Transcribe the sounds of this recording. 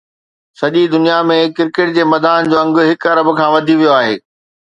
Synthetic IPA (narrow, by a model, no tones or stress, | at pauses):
sɐʄid̪ʊnijamẽkɪɾkɪʈ̚d͡ʑeːmɐd̪aːnd͡ʑoːɐ̃ŋɡʊɦɪkɐɾəbkʰãːʋɐd̪ʱiʋijoaːɦḛː